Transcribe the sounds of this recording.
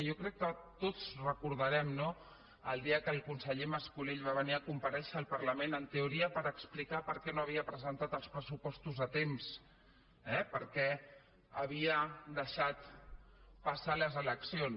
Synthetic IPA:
jokɾɛkːət̪ot͡srəkuɾðəɾɛmno | əlˠd̪iəkəːlˠkunsəʎeməskuleʎβaβəniəkumpəɾɛʃəːlˠpəɾləmenənt̪euɾiəpəɾəksplikapəɾkɛnoəβ̞iəpɾəzənt̪at̪əlˠspɾəsupɔst̪uzðət̪ems | ɛpəɾkɛ | əβ̞iəd̪əʃat̪ | pasaləzələksion

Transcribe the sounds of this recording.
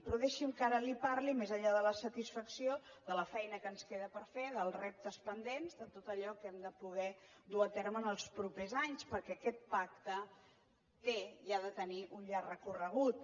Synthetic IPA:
pɾɔðeʃimkaɾəlipaɾlimezəʎaðələsət̪isfəksioðələfɛjnəkənskeðəpəɾfeðəlˠrɛp̚t̪əspənd̪enzðət̪ot̪əʎɔkɛmd̪əpuɣɛd̪uat̪ɛɾməːnəlˠspɾupezaɲspəɾkɛːkɛt̪̚pak̚t̪ə | t̪eiaðət̪əniʔunʎarrəkurəɣ̞ut̪̚

